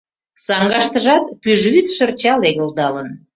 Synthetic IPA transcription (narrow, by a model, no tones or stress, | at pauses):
sɑŋɡɑʃt̪əʒɑt̪̚pyʒβyt̪ʃə̆rt͡ɕɑleɣə̆ld̪ɑlən